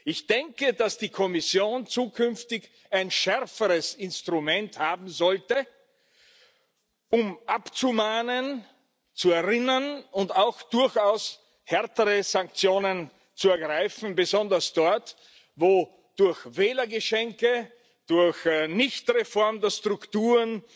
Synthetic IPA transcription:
ʔɪçd̥ɛŋkədasd̥iːkʰɔmɪsjoːnt͡suːkʰʏnftɪç | aɪnʃɛɐfəʁəsɪnstʁ̥ʊmɛnthaːbm̩zɔltə | ʊmʔapt͡sumaːnən | t͡suɛɐʁɪnɐnʊndaʊxd̥ʊɐçaʊs | hɛɐtəʁəzãŋk̚t͡sjoːnən | t͡suɛɐɡʁaɪfn̩bəzɔndɐsd̥ɔɐt | voː | d̥ʊɐçvɛːlɐɡəʃɛŋkə | d̥ʊɐçnɪçtʁefɔɐmdəɐstʁ̥ʊktuːʁən

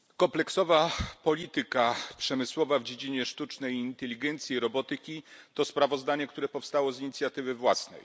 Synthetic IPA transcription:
kɔmplɛksɔvapɔlʲit̪ɘkapʂɛmɘswɔvavd͡ʑed͡ʑiɲɛʂt̪ut͡ʂnɛjint̪ɛlʲiɡɛnt̪sʲjiɾɔbɔt̪ɘkʲit̪ɔspɾavɔzd̪aɲɛkt̪uɾɛpɔfst̪awɔziɲit̪sʲjat̪ɘvɘvwasnɛ̰j

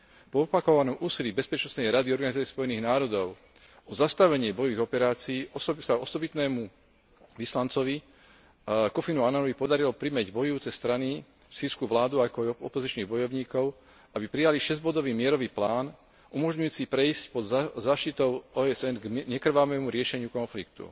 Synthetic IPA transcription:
pɔɔpakɔʋanɔmʔuːsiliːbɛspɛt͡ʃnɔsnɛjɾad̪iɔɾɡanizat͡sɛspɔjɛniːɣnaːɾɔd̪ɔʊ | ɔzast̪aʋɛɲɪɛbɔjɔʋiɡɔpɛɾaːt͡siːɔsaɔsɔbit̪nɛːmu | ʋislant͡sɔʋi | kɔfinuanaɔʋipɔd̪aɾilɔpɾimɛɟbɔjuːt͡sɛst̪ɾani | fsiːskuʋlaːd̪uakɔajɔ̰pɔzit͡ʃniːɣbɔjɔʊɲiːkɔʊ | ʔabipɾijaliʃɛzɟbɔd̪ɔʋiːmɪɛɾɔʋiːplaːn | ʔumɔʒɲujuːt͡sipɾɛiscpɔd̪zaːʃt̪it̪ɔʊɔːɛzɛnɡɲɛkɾ̩ʋamɛːmuɾɪɛʃɛɲɪukɔnflik̚t̪ṵ

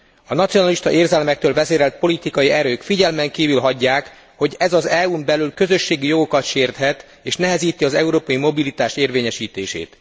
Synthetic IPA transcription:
ɒnɒt̪sijo̞nɒliʃt̪ɒʔeːrzɛlmɛk̚t̪øːlvɛzeːɾɛlt̪̚po̞lit̪ikɒjiɛɾøːkfiɟɛlmɛŋkiːvylɦɒɟːaːk | ho̞ɟɛzɒzɛumbɛlylkø̞zø̞ʃːeːɡijo̞ɡo̞kɒt̪ʃeːrt̪hɛt̪ | eːʃnɛɦɛziːt̪iɒzɛuɾoːpɒjimo̞bilit̪aːʃt̪eːrveːɲɛʃiːt̪eːʃḛːt̪

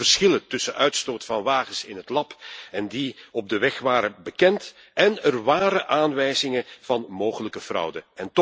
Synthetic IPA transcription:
ərsxɪlətɵsənʔœɥtstoːtfɑnʋaːɣəsɪ̰nɦətlɑpɛndiɔb̚dəʋɛxʋaːɾəbəkɛnt | ʔɛnərʋaːɾəʔaːnʋɛjzɪŋəv̥ɑnmoːɣələkəv̥rʌ̰wdəɛnt

